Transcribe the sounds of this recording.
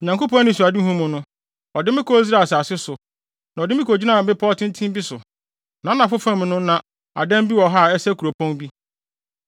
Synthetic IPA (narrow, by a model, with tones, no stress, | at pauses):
ɔ˨ɲã˨ŋko˦pʰɔ̃˦nɪ̃˦˨su˨a˨dɪ˦ɦũ˦mʊ̃˨nʊ̃˦ | ɔ˨dɪ˦mɪ̃˦kʰɔ˦i˦z̬ɾa˨sa˨sɪ˦sʊ˨ | nã˨ɔ˨dɪ˦mɪ˦kd͡ʑi˦nã˨bɪ̃˦pʰɔ˦tʰɪ̃˦n˦tʰĩ˦m˦bi˦sʊ˨ | nã˨˦nã˨fʊ˦fã˦m̃˨nʊ̃˦nã˨ | a̰˨dɛ̃˦m˦bi˦wɔ˨ɦa˦˨ɛ˦sɛ˦kʰu˨ɾo˨pʰɔ̃˦nbi˦